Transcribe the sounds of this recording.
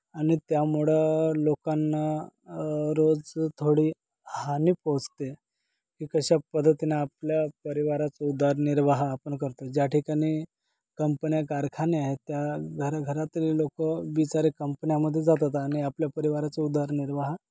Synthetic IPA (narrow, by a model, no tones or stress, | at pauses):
aɽ̃it̪jamuɭəlokanːa | ɾod͡zt̪ʰoɽiː | haniːpot͡st̪e | kiːkəɕapəd̪ʱːət̪inaːpljapəɾiʋaɾat͡səud̪ʱaɾniɾʋaɦaːpəɳkəɾt̪od͡ʑjaʈʰikaɽ̃i | kəmpənijakaɾkʰaniaɦet̪jaɡʱəɾaɡʱəɾat̪illokəʋit͡saɾekəmpənijaməd̪ʱːjed͡zat̪at̪aːɽ̃iapljapəɾiʋaɾat͡səud̪ʱaɾniɾʋaɦa